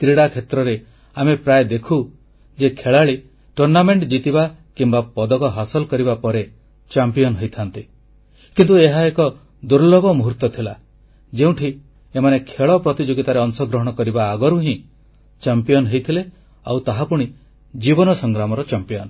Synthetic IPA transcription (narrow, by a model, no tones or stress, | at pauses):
t̪ɾiɽakʰet̪ɾɔɾe | amepɾaed̪ekʰu | d͡ʒekʰeɭaɭi | ʈuɾnameɳʈd͡ʒit̪ibakimbapɔd̪ɔkɔɦasɔlkɔɾibapɔɾe | t͡ʃampijɔnɦojt̪ʰant̪i | kint̪ueɦaekɔ | d̪uɾlɔbɔmuɦuɾt̪ɔt̪ʰila | d͡ʒeũʈʰi | emanekʰeɭɔpɾɔt̪id͡ʒoɡit̪aɾeɔnsɔɡɾɔɦɔɽ̃ɔkɔɾibaːɡɔɾuɦĩ | t͡ʃampijɔnɦejt̪ʰile | a̰wt̪aɦapuɽ̃i | d͡ʒibɔnɔsɔŋɡɾamɔɾɔt͡ʃampijɔnɔ